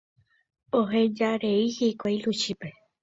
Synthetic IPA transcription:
oɦẽd͡ʒaɾeihikʷajlut͡ʃipe

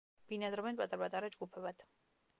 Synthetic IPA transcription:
b̥inad̪ɾɔbɛnpʼat̪ʼaɾbat̪ʼaɾad͡ʒɡupʰɛbad̪̥

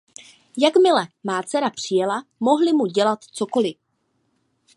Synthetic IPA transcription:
jakmɪlɛmaːt͡sɛɾapr̝̥ɪjɛlamo̞ɦlɪmuɟɛlat̪t͡so̞ko̞lɪ

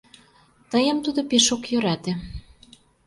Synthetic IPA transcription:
t̪əjə̆mt̪ud̪opeʃokjøɾæt̪ĕ

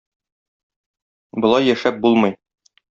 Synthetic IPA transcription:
bŏlˠɑjːæʃæp̚bulˠmɤ̆j

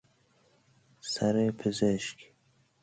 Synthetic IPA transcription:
saɾepʰɪzeʃk

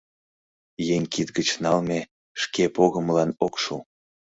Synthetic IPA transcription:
jeŋʲkit̪ɡət͡ɕnɑlme | ʃkepoɣəmlɑnokʃu

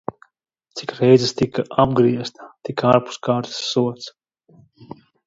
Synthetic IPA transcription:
t̪sikɾɛjzɨst̪ikaʔab̚ɡɾiɛst̪ɐ̥t̪ikaɾpu̥skaːɾt̪sːuɔt̪s

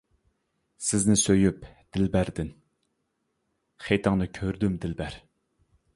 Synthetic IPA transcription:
sɪznɪsøjypd̪̥ɪlbæɾd̪ɪn | χejt̪ʰɨŋnɨkʲʰøɾd̪ymd̪ɪlbæɾ

